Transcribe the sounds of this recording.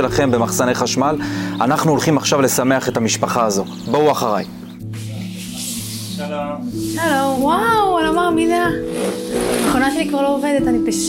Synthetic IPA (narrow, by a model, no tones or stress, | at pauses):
elaχe̞mbe̞maχsane̞jχaʃmalanaχnuolχimaχʃavle̞same̞aχe̞t̪amiʃpaχaːzo̞ | bouaχaʁaj | ʃalowawlomaʁmina | naχonaʃelikvaʁlo̞oved̪et̪anipaʃ